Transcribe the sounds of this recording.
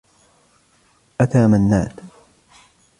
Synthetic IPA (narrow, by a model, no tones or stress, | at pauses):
ʔat̪aːmanːa̰ːt̪